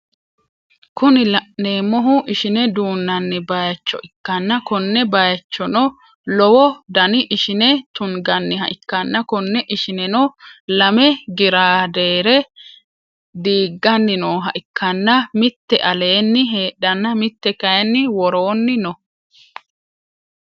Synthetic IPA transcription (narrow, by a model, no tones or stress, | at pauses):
kʊnɪlɐʔneːmɔɦʊʔɪʃɪnɛd̪uːnːɐnːɪbɐjɐt͡ʃːɔ̰ʔɪkːɐnːɐkɔnːɛbɐjɐt͡ʃːɔnɔ | lɔwɔd̪ɐnɪʔɪʃɪnɛt̪ʊŋɡɐnːɪɦɐ̰ʔɪkːɐnːɐkɔnːɛʔɪʃɪnɛnɔlɐmɛɡɪɾaːd̪e̞ːɾɛ | d̪iːɡːɐnːɪnoːɦɐʔɪkːɐnːɐmɪt̪ːɛʔɐle̞ːnːɪɦeːɗɐnːɐmɪt̪ːɛkɐjɛnːɪwɔɾoːnːɪnɔ